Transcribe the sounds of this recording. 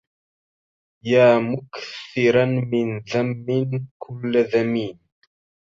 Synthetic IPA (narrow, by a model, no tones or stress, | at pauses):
jaːmʊkθɪɾamɪnðamːɪnkʰʊlːðamiːn